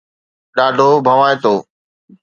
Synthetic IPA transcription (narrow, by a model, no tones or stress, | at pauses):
ɗaːɖʱobʱɐʋaːet̪oː